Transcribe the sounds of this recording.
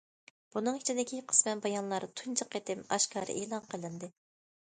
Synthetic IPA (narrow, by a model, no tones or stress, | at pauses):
b̥unɨŋit͡ʃʰid̪ɪkʲʰiqʰə̥smɛnbɑjɑnlˠɑɾt̪ʰunt͡ʃʰəqːet̪ɪmɑʃkʰɑ̰ːɾɨ̰ʔeːlˠɑnqʰəlˠɨnd̪ɨ